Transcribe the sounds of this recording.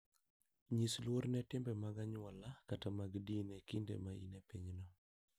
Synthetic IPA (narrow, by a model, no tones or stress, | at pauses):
ɲislwoɾnɛtɪmbɛmaɡaɲwɔlakatamaɡdinɛkindḛmaḭnepiɲnɔ